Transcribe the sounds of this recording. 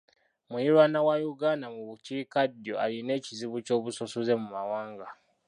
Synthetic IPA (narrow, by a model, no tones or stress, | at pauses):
mujiɾwanawajuɡanamuβuciːkadjoʔaline̞ːciziβuco̞ːβusosuze̞mumawaːŋɡa